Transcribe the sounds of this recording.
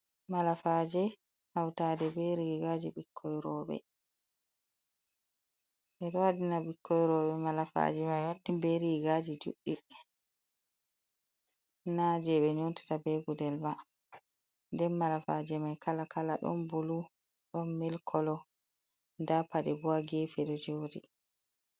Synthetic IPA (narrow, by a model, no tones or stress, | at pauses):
malafad͡ʒɛ | hawtadɛbɛɾiɡad͡ʒibikʰːɔjɾɔɓɛ̰ | ʔɛɗɔwadinabikʰːɔjɾɔɓɛmalafa̰d͡ʒɛmajwaɗːimbeɾiɡad͡ʒid͡ʒṵɗːi | nad͡ʒɛɓɛɲonti̥tabɛɡudɛlma | ndɛnmːalafad͡ʒɛmajkalakʰalaɗɔ̰nbulu | ɗɔnmilkʰɔlɔ | ndapadɛbuaɡeːfɛɗɔd͡ʒoːdi